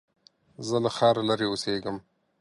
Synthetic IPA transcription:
zəlaxɑːɾalaɾeoseɡəm

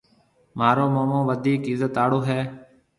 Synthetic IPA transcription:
maːɾoːmoːmõːʋəd̪ʱiːkɪzət̪aːɽoːɦɛː

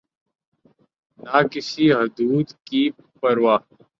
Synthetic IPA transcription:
naːkɪsiːɦəd̪uːd̪kiː | pəɾwaː

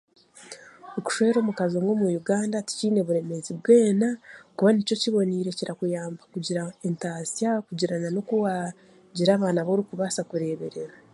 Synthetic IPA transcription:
oku̥ʃweːɾo̞ːmukaziomɡoːmujuɡaːndati̥ciːne̞βuɾe̞meziβwe̞ːnakuβanico̞ciβo̞niɾe̞ciɾakujaːmbakuɟiɾaentaːsjakuɟiɾanano̞kuwa | ɟiɾaːβaːnaβoɾikuβasakuɾe̞ːβe̞ɾe̞ɾa

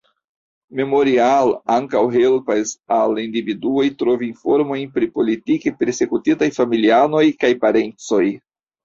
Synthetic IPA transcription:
me̞mo̞ɾialaŋkawɦe̞lpasalindividuo̞jtɾo̞viːnfo̞ɾmo̞jnpɾipo̞litikepe̞ɾse̞kutitajfamiliano̞jkajpaɾe̞nt͡so̞j

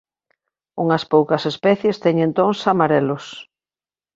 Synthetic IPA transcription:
uŋɐspowkɐsespɛθjest̪ɛŋẽnt̪oŋsamaɾɛlʊs

